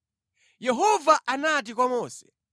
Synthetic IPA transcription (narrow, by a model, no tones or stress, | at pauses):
jɛɦɔvaʔanat̬ikwamɔːsɛ̥